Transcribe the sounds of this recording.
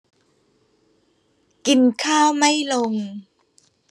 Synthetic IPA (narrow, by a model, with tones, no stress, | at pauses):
ki˧nkʰaː˥˩wma˥˩jlo˧ŋ